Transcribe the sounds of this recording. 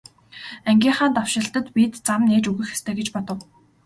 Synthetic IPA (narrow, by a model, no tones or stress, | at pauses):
æŋɡʲiːɴχaːnt̪aw̥ʃɪ̆ɬt̪ə̆t̪pit̪t͡samneːt͡ɕuɣɘ̆xe̥st̪ʰeːɡet͡ɕpɔt̪ɞ̆w